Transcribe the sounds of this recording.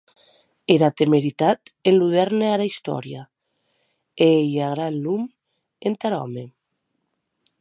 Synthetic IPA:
eɾat̪emeɾit̪at̪enluðɛɾneaɾaist̪ɔ̰ɾja | eejaɣɾanlum | ent̪aɾɔ̰me

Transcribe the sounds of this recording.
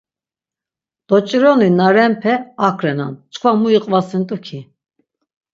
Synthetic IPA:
d̪̥ɔt͡ʃʼiɾɔninaɾɛmpʰɛakʰɾɛna̰nt͡ʃʼkʰvamuiqʼvasint̪ʼukʰi

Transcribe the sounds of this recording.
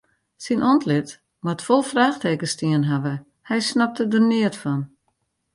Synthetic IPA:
sinʔɔntlɪt | matfɔlˠfraːxteːkəstiənɦaʋə | hɛjsnap̚tədərnɪətfɔn

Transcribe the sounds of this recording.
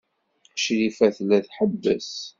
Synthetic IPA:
ʃlifæθlːæθħəbːə̰s

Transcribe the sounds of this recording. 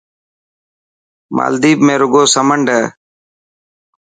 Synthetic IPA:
ma̰ːld̪iːbmẽːɾʊɡoːsəməɳɖəː

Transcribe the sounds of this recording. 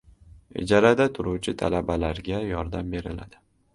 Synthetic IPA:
ɪ̰d͡ʒaɾad̪at̪ʰʊɾuwt͡ʃʰɪt̪ʰa̰labalaɾɡʲajɒɾd̪ambe̞ɾɪla̰d̪̥ɪ

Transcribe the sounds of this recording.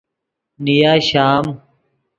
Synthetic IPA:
nijaːɕaːm

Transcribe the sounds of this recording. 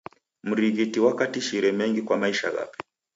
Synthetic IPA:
m̩ɾiɣitiwakatiʃiɾɛmɛŋɡikwamaiʃa̰ɣa̰pi̥

